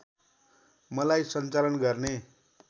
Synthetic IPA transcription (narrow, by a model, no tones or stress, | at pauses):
mʌlajsʌnt͡salʌnɡʌrne